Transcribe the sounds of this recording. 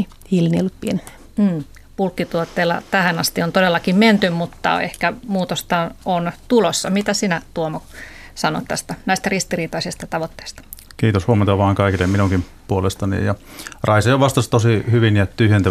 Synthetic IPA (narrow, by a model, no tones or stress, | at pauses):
i | hilniolːut̪̚pien | m̩ː | pulkːit̪uot̪ːeːlːɑ̰t̪æhænɑst̪iont̪odelːɑkimment̪ymmut̪ːɑ̰ḛhkæmuːt̪ost̪ɑnont̪ulosːɑmit̪æsinæt̪uomok | sɑno̰t̪t̪æ̰st̪ænæist̪ærist̪iriːt̪ɑisist̪ɑt̪ɑʋot̪ːe̥ːst̪ɑ̥ | kiːt̪oshuoment̪ɑʋɑːŋkɑikilːemminuŋkimpuolest̪ɑnḭjjɑ | rɑisɑjoʋɑst̪ɑst̪osihyʋinjɑt̪yhjent̪æ